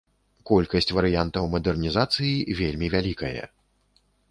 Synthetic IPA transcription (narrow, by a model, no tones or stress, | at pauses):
kɔlʲkɐsʲt͡sʲvɐɾɨjant̪ɐwmɐd̪ɛrnʲizat̪sɨjivʲelʲmʲivʲalʲikɐjɛ̰